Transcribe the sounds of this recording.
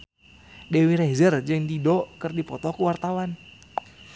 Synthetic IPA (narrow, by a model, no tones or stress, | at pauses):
dewiɾɛzərd͡ʒɨŋdidɔkɨrdipɔt̪ɔkuwart̪awan